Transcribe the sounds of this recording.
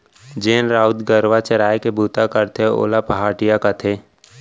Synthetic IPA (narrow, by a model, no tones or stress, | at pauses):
d͡ʒeːnɾaːʊd̪ɡəɾʋat͡ʃəɾaːjekebʱuːt̪akəɾt̪ʰeo̰ːlapəɦaːʈɪjakat̪ʰeː